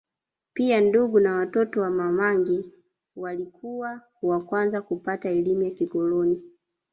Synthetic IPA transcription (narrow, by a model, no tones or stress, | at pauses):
pianduɡunawatɔtɔwamamaŋɡi | walikʰuwa | wakwanzakupataɛlimujakiɡɔlɔni